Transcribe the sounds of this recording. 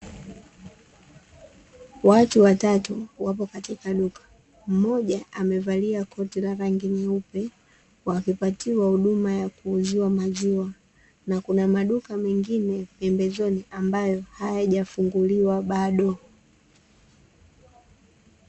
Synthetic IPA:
watuwatatuwapɔkatikaɗukḁ | m̩mɔʄaʔamɛvaliakʰɔtilaɾaŋɡinaupɛ | wakipatiwahuɗumajakuːzuwamazua | nakunamaɗukamɛŋɡinɛpɛmbɛzɔniʔambajɔhajaʄafuŋɡuliwaɓaɗɔ

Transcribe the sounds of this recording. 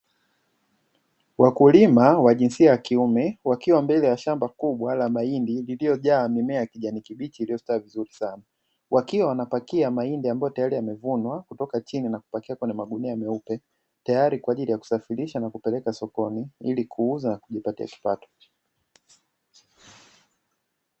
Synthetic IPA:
wakulimawaʄinsiajakiumɛwakiwambɛlɛjaʃambakuɓwalamaindililijɔʄaːmimɛakiʄanikiɓit͡ʃiːlijɔstaːvizuɾisana | wakiwawanapakiamaindiambajɔtajaɾiamɛvunwakutɔkat͡ʃininaku̥pakiakwɛɲɛmaɠuniaamɛupɛ | tajaɾikwaːʄilijaku̥safiɾiʃanakupɛlɛkasɔkɔniilikʰuuzanakuʄipatia̰ki̥patɔ̥

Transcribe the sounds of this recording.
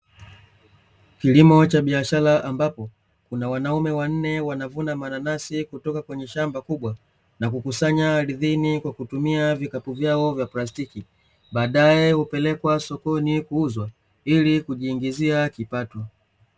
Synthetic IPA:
kilimɔt͡ʃaɓiaʃalaʔambapɔ | kunawanaumɛwan̩nɛwanavunamananasikutɔkakwɛɲɛʃambakuɓwa | nakukusaɲaɾiðinikwakutumiavikapuvjaɔvjaplastiki | ɓaːɗajɛhupɛlɛkwasɔkɔnikuuzwa | ilikuʄiːŋɡiziakipatɔ

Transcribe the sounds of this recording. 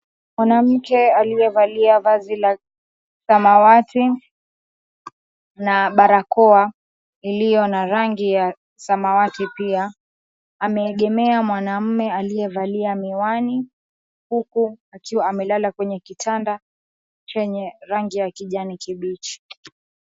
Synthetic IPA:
mwanam̩kɛalijɛvaliavazila | samawati | naɓaɾakɔa | ilijɔnaɾaŋɡija | samawatipiaː | mɛːɠɛmɛamwanam̩mɛalijɛvaliamiwani | hukuakiwaːmɛlalakwɛɲɛkitʰanda | t͡ʃɛɲɛɾaŋɡijakiʄanikiɓit͡ʃi̥

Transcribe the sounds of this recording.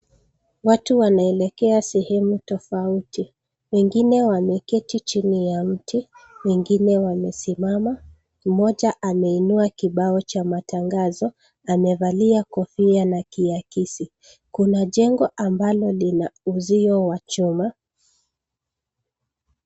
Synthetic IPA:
watuwanaɛlɛkɛasɛhɛmutɔfauti | wɛŋɡinɛwamɛkɛtit͡ʃinijam̩tʰiwɛŋɡinɛwamɛsimama | m̩mɔʄaʔamɛinuakiɓaɔt͡ʃamataŋɡazɔ | amɛvaliakɔfianakiakisi | kunaʄɛŋɡɔʔambalɔlinauziɔwat͡ʃuma

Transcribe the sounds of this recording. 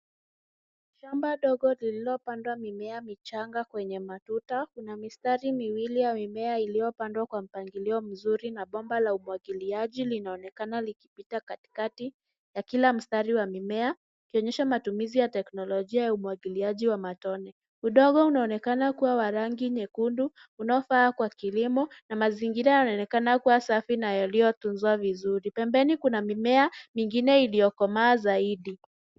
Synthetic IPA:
ʃambaɗɔɠɔlililɔpandwamimɛamit͡ʃaŋɡakwɛɲɛmatutakunamistaɾimiwilijamimɛailijɔpandwakwam̩paŋɡiliɔm̩zuɾinaɓɔmbalaumuwaɠiliaʄilinaɔnɛkanaliki̥pitakati̥kati | jakilam̩staɾiwamimɛa | ukiɔɲɛʃamatumizijatɛknɔlɔʄiajaumuwaɠiliaʄiwamatɔnɛ | uɗɔɠɔunaɔnɛkanakuwawaɾaŋɡiɲɛkundu | unaɔfaːkwakilimɔnamaziŋɡiɾajanaɔnɛkanakuwasafinajalijɔtunzuavizuɾipɛmbɛnikunamimɛamiŋɡinɛilijɔkɔmaːzaiɗi

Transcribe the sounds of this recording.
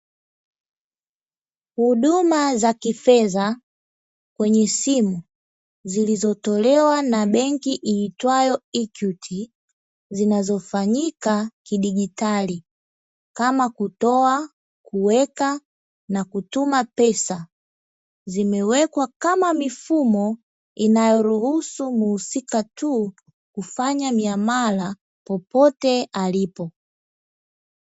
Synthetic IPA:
huɗumazakifɛza | kwɛɲɛsimu | zilizɔtɔlɛwanaɓɛŋkiʔiːtwajɔikjutʰi | zinazɔfaɲikakiɗiɡitali | kamakutɔa | kʰuwɛka | nakutumapɛsa | zimɛwɛkwakamamifumɔ | inajɔɾuhusumuhusikatu | kufaɲamiamala | pɔpɔtɛalipɔ

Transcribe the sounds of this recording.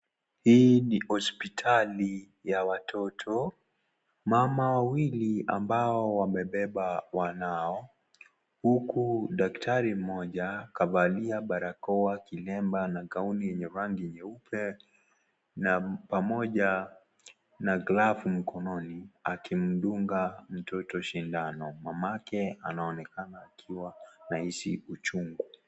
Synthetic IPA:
hiːnihɔspitʰali | jawatʰɔtʰɔ | mamawawilia̰mbaɔwamɛɓɛɓawanaɔ | hukuɗaktʰaɾim̩mɔʄakavaliaɓaɾakɔwakilɛmbanaɡaunijɛɲɛɾaŋɡiɛɲɛupʰɛ | napamɔʄa | naɡlafm̩kɔnɔniakim̩ɗuŋɡam̩tʰɔtɔʃindanɔmamakɛanaɔnɛkanaːkʰiwanahisiut͡ʃuŋɡu

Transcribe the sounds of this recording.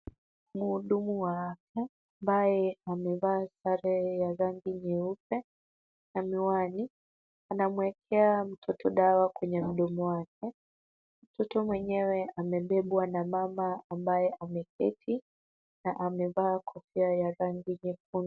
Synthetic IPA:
muːɗumuwaakaː | mbajɛamɛvaːsaɾɛjaɾaŋɡiɲɛupɛ | namiwani | anamuɛkʰɛam̩tʰɔtʰɔɗawakwɛɲɛm̩ɗɔmɔwak̚ʰɛ | m̩tɔtɔmwɛɲɛwɛʔamɛɓɛɓwanamamaːmbajɛʔamɛkʰɛtʰi | naʔamɛvaːkʰɔfiajaɾaŋɡiɲɛk̚un

